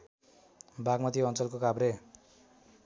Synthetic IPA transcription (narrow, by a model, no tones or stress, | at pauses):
baɡmʌt̪iʌnt͡sʌlkokabɾe